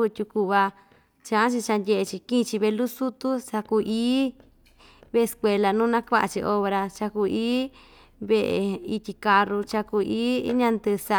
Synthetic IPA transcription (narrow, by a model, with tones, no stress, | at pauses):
u˧t̪ʲu˧ku˧βa˧ | t͡ʃã˧ʔã˦t͡ʃi˧t͡ʃa˧ndʲe˧ʔe˧t͡ʃi˧kĩ˦˧t͡ʃi˧βe˧lu˦su˦t̪u˦sa˧ku˧ʔiː˦ | βe˦˧skʷe˧la˧nũː˦nã˦kʷa˦ʔa̰˧t͡ʃi˧ʔo˧βɾa˧t͡ʃa˧ku˧ʔiː˦ | βe˦ʔḛ˧i˧t̪ʲi˧ka˧ru˧t͡ʃa˧ku˧iː˦ɲã˧nd̪ɨ˧sa˧